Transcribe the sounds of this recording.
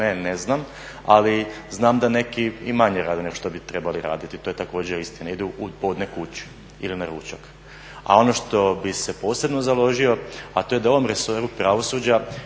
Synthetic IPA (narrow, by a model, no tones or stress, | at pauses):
eneznam | a̰li | znaːmd̪ane̞kiimaɲeɾaːd̪eneɡoʃt̪o̞bit̪ɾebaliɾa̰ːd̪it̪it̪oːje̞t̪ako̞ːd͡ʑeɾist̪inaid̪uubo̞ːd̪nekut͡ɕu̥ | ilinaɾuːt͡ɕak | a̰o̞noʃt̪o̞bise̞po̞ːse̞bnozalo̞ʒio̞at̪ojed̪ao̞ʋo̞mɾesoɾupɾaʋo̞suːd͡ʑa